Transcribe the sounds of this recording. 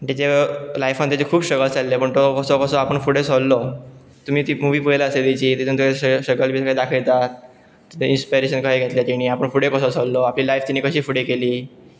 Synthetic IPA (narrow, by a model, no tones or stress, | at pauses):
t̪id͡ʑelajfãnt̪jat͡ɕekʰuːbɕəɡəlt͡salːepəɳt̪okəsɔkəsɔapəɳfuɽesolːɔ | t̪um̤iːt̪iːmuʋiːpujlaəset̪it͡ɕiːt̪it̪ʰuːnt̪ueɕəɡəlbʱiːsəkajd̪akʰiɭt̪at̪ | inspijɾeɕənkaɦeɡʱet̪ljat̪iɽ̃iːapəɳfuɽekəsɔsolːɔapliːlajft̪inːiːkəɕiːfuɽekeliː